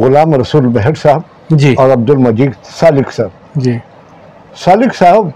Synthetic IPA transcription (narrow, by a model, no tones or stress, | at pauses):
ɣʊlaːmɾɐsuːlbɛɦɛʈsaːɦəb | d͡ʒiɔːɾɐb̚d̪ʊlmɐd͡ʒiːɡ̪saːlɪksaːb | d͡ʒi | saːlɪksaːɦb